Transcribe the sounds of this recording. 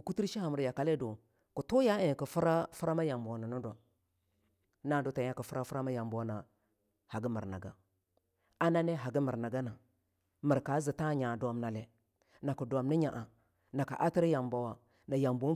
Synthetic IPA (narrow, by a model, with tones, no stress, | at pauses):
ku˦ti˦ɾʃi˦ha˨mə˨ɾja˨ka˨le˦do˨ | ku˨to˦ja˦e˦˨ki˨fu˦ɾa˦fu˦ɾa˦ma˦ja˨mba˨na˨nu˦dʷa˨m | na˦˨do˦ta˨˦a˦ku˨fu˦ɾa˦fu˦ɾa˦ma˦ja˨mba˨wna˨ | ha˨ɡi˦mə˨ɾna̰˨ɡa˨ | a˦na˦ne˦ɦa˨ɡi˦mə˨ɾna˨ɡa˦na˨ | mə˨ɾka˨˦zi˨ta˦ɲa˨da˨mna˨le˨ | na˨ku˨dʷa˨mni˦ɲa˨ʔa˨ | na˨ka̰˨ʔa˦ti˦ɾi˦ja˨mba˨wa˨ | na˨ja˨mbo˦